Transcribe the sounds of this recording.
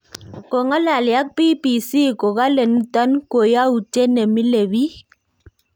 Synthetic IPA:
ko˨ŋɔ˦la˨lja˦k̚pi˦pi˨si˦ko˨ɣa˦le˨nu˦ta˦nko˨ja˦u˨t͡ʃe˦ne˨mi˦le˨wi˦

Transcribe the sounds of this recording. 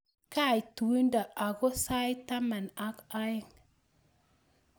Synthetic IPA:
ka˦˨i˨tu˨i˦nda˨a˨ɡo˦sa˦jt̪a˦ma˨na˦ka˦ɪ˦ŋ

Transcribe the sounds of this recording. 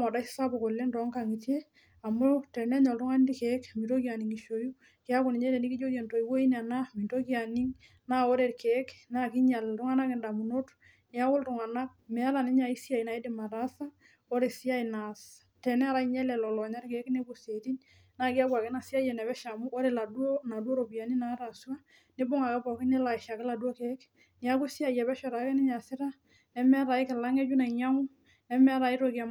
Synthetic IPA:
mɔ˨da˦ssa˦bo˨ko˨le˦ndɔ˦ŋka˨ŋi˨te˦ | a˨mo˦tɛ˨nɛ˦ɲɔ˨ltʊ˦ŋa˦n˦di˦kɛ˦kmi˨to˦ki˦a˨ni˨ŋi˨ʃo˨ju˦ | ki˦a˦ko˨ni˨ɲɛ˦tɛ˨ni˦ki˦d͡ʒo˦kie˨nto˨i˨wo˦i˦na˨na˦mi˨nto˦ki˦a˨ni˦ŋ | na˦o˦ɾe˨ɾkɛ˨˦kna˦ki˦ɲa˨ltʊ˦ŋa˦na˦ke˨nda˨mu˨no˦t | ni˨a˦wʊ˦ltʊ˨ŋa˨na˦k̚mɛ˨a˦ɾa˨ni˦ɲa˨i˦sja˨jna˨i˦de˨ma˨ɾa˦sa˦ | o˦ɾe˨sɪ˦a˦i˨na˨s | tɛ˨nɛ˦a˦˨ɾa˦i˦ɲɛ˦lɛ˨lɔ˨lɔ˨ɲa˦ɾke˨˦kne˦bo˨se˨ti˦ɲ | na˦ki˦a˦kwa˨kɪ˦na˨si˦a˦jɛ˨nɛ˨bɛ˦ʃa˨mu˦o˦ɾe˨la˨du˦o˦na˨du˦o˦ɾo˨bia˨ni˦na˨˦ɾa˨swa˦ | nɪ˦bo˦ŋa˨kɛ˦bɔ˨kɪ˦ne˦la˨ɪ˨ʃa˨kɛ˦la˨du˦o˦ke˨˦k | nɪ˨a˦kʊ˦si˦a˦jɛ˨bɛ˦ʃɔ˨ɾa˨kɛ˦nɪ˦ɲa˨sɪ˦ɾa˦ | ɛ˦mɛ˦a˦ɾa˨i˦kɪ˨la˦ŋɛ˦d͡ʒu˦na˨i˨ɲa˦mʊ˦ | ɛ˦mɛ˦a˦ɾa˨i˦ɾo˨ki˦a˨m

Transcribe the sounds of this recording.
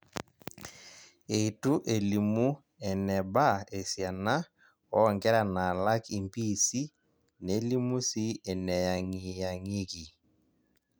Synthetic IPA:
e˨i˨tu˦ʔe˨li˨mu˦ | ɛ˨nɛ˨ba˦e˨sja˨na˦ | ɔ˦˨ŋɡɛ˦ɾa˨na˨la˦ki˨mpi˦si˦ | ne˨˦li˦mu˦si˦e˨nɛ˨ja˨ŋi˨ja˨ŋi˦ɣi˨

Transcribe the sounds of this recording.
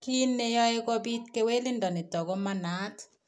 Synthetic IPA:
ki˦nːe˦jɔ˦e˦kɔ˦bi˦t̚ke˦we˦li˦ndɔ˨nɪ˨d̥ɔ˨ɡɔ˦ma˦nat

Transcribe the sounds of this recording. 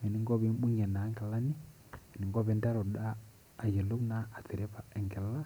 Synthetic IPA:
ɛ˨ni˨ŋɡɔ˦βɛ˦m˦ɓu˦ɲɛ˨na˨˦ŋɡa˨la˦ni˦ | ɛ˨ni˨ŋɡɔ˦βɛ˨˦nda˦ɾɔ˨ɗaː˦˨ | jɛ˨lo˦naː˦˨tɛ˨ɾɛ˦pa˨ɛ˨ŋɡɛ˨la˦

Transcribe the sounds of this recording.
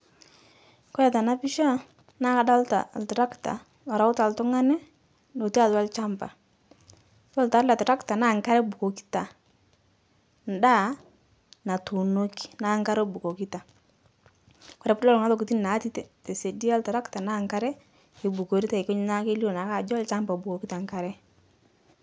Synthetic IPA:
kɔ˦ja˨ta˨na˦pi˦ʃa˦ | na˦ka˨˦da˦lta̰˨ltɛ˨ɾa˦kta̰˨ | ɔ˨ɾa˨ʊ˦ta˨ltʊ˦ŋa˦nɛ˦ | no˨ti˦a˨la˦lt͡ʃa˦mpa̰˨ | pɔ˦lta˨˦la˨tɛ˨ɾa˦kta˨na˦˨ŋka˦ɾɛ˦bu˨ko˨ki̥˦ta˨ | n˨da˦ | na˨tu˨no˦ki̥˦˨na˦ŋka˦ɾo˦bu˨ko˨ki˦ta˨ | kɔ˨ɾɛ˨˦plɔ˦lŋa˦to˦˨ku˨ti˦n˨na˨˦ti˦tte˨se˨di˦a˦lta˨ɾa˦kta˨na˦ŋka˦ɾɛ˦ | e˨bu˨ko˨ɾi˦ta˦˨ɪ˨ko˦ɲ˦na˦ke˦li˦o˨na˨ka˨d͡ʒɔ˦lt͡ʃa˦mpa˨bu˨ko˨ki˦ta˨ŋka˨ɾɛ˦

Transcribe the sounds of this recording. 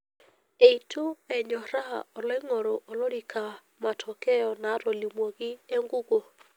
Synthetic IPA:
e˨i˨tʰu˦ɛ˨ɲɔ˨ɾa˦ɔ˨lɛ˦ŋɔ˨ɾo˨ʔɔ˨lo˦ɾi˨kʰa˨ | ma˨tʰɔ˨kɛ˦jɔ˨na˨˦ɾo˨li˨mwo˨ɡɪ˦e˦ŋɡu˦ɡo˨

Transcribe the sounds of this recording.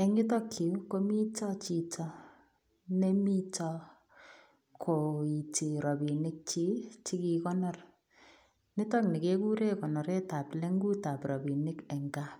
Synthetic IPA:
ɛ˨ŋɪ˦tɔ˦kːi˨˦ko˦mi˦tɔ˦t͡ʃi˨tɔ˦ | ne˦mi˦tɔ˦ | kʰo˨i˨ti˨ɾɔ˨bi˨nɪ˦k̚t͡ʃi˦t͡ʃi˦ki˧kɔ˦nɔ˦r | nɪ˦tɔ˦kni˨ke˦ku˦ɾe˦kɔ˨nɔ˨ɾe˦ta˨ple˦ŋɡu˦ta˨prɔ˨bi˨nɪ˦kɛ˨ŋɡa˦

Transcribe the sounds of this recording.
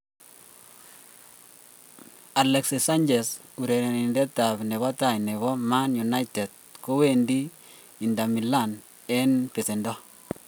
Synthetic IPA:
a˨lɛ˨ksisa˦nd͡ʒɛ˨s | u˨ɾe˨ɾe˨nindɛ˦ta˨pne˨βɔ˦ta˨jne˨βɔ˦ma˦nju˨na˦jtɛ˨d̚ko˦we˨ndi˦ | i˨nda˨mi˨la˦n | ɛ˦npe˨sɪ˨ndɔ˦

